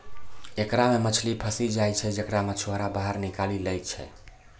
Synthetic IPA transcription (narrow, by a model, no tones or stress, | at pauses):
ekɾamemət͡ʃʰlipʰəsid͡ʒajt͡ʃʰɛd͡ʒekɾamət͡ʃʰwaɾabaɦəɾnikaliləjt͡ʃʰɛ̰